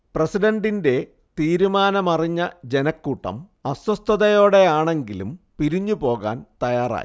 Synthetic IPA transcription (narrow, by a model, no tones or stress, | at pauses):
presiɖɐɳɖinde̞ | t̪iːɾumaːnɐmɐriɲːɐd͡ʑe̞nɐkːuːʈːɐ̰m | ɐswɐst̪ʰːɐðɐjo̞ːɽe̞aːɳe̞ŋɡilumpiɾiɲːupo̞ːɣa̰ːnt̪ɐjaːra̰ːji